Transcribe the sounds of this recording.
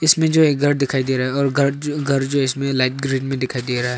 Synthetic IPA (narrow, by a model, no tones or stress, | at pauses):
ɪsmẽd͡ʒoeːkɡʱɐɾd̪ɪkʰaːid̪eːɾaɦɛɔːɾɡʱɡʱɐɾd͡ʒoɪsmẽlaɪʈɡɾĩːɖmẽd̪ɪkʰaːid̪eɾaɦɦɛ